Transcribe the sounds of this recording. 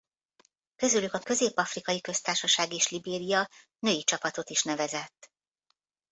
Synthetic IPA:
kø̞zylykɒkø̞zeːpːɒfrikɒjikø̞st̪aːrʃɒʃaːɡeːʃlibeːɾijɒ | nøːit͡ʃɒpɒt̪o̞t̪iʃnɛvɛzɛt̪ː

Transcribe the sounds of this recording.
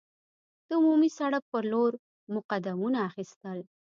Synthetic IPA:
d̪̥əʊmumisaɽak̚pəɾloɾ | mʊqad̪amunaːxist̪əl

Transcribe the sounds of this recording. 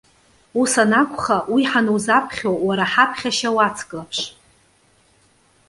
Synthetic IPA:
usanakʷʰʼχawiħanuwzapʰχʲowaɾaħapʰχʲaʃawat͡sʰkʼlapʰʂ

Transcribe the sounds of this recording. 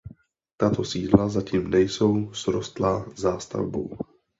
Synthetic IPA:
t̪at̪osiːdlazaciːmnɛjso̞wsɾost̪lazaːst̪a̰vbo̰w

